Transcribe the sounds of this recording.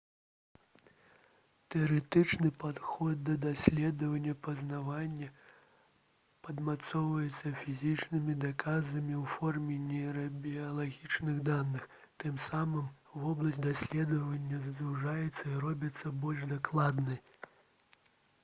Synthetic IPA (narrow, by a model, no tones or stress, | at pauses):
t̪ɛɐɾɛt̪ɨt͡ʂnɨpad̪xɔd̪̚ːɐd̪asʲlʲɛd̪ɐvɐnʲːɐpɐznavanʲːɐ | pɐd̪mat̪sɔwvɐjɛt̪sːɐfʲizʲit͡ʂnɨmʲid̪akazɐmʲiwfɔrmʲɛnʲɛɾɐbʲiɐlˠaɣʲit͡ʂnɨɣd̪anːɨx | t̪ɨmsamɨmvɔblˠɐsʲtʲd̪asʲlʲɛd̪ɐvɐnʲːɐzd̪uʐajɛt̪sːɐiɾɔbʲɐt̪sːɐbɔlʲʂd̪aklˠad̪nɨj